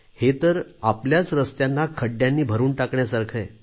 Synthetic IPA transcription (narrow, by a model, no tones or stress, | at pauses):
het̪əɾapljat͡sɾəst̪janːakʰəɖjanːiːbʱəɾuːnʈakɳjasaɾkʰəj